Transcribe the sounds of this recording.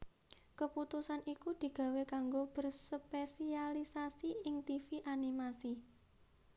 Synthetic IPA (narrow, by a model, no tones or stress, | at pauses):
kəput̪usanikud̪̥i̤ɡ̥ä̤wekaŋɡob̥ə̤rsəpesialisasiɪŋt̪ifiʔanimasi